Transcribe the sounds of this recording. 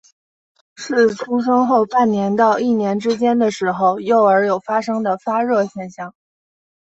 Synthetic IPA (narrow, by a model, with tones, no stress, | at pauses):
ʂɻ̩˥˩ʈ͡ʂʰu˥ʂ̬ɤ˥ŋxo˥˧ʊpa˥˩nnjɛ˧˥nt̪ɑ˥˧ʊi˥˩njɛ˧˥nʈ͡ʂɻ̩˥t͡ɕjɛ˥nd̪ə˨ʂɻ̩˧˥xo˧ʊjo˥˩ʊə˞˧˥jo˨˩ʊfa˥ʂɤ˥ŋd̪ə˨fa˥ɻɤ˥˧ɕjɛ˥˧nɕjɑ˥˩ŋ